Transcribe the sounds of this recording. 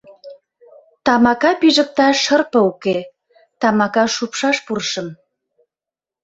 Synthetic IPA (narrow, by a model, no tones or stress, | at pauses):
t̪ɑmɑkɑpiʒə̆k̚t̪ɑʃərpɤ̆uke | t̪ɑmɑkɑʃupʃɑʃpurʃə̆m